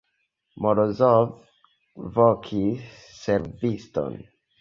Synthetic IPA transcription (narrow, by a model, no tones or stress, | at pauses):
mɔɾozɔv | vɔkʰisː | ɛɾvistɔ̰n